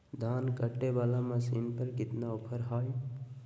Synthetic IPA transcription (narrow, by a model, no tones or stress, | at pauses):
d̪ʱaːnkəʈːebalamãsiːnpəɾkɪt̪naʊpʰəɾɦaːj